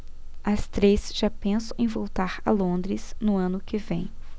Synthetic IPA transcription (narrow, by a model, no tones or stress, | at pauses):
ɐst̪ɾesʒ̥apẽsʊẽj̃vowt̪aɾɐ̰lõnd̪ɾɪsnʊɐ̃nʊkɪvḛ̃j̃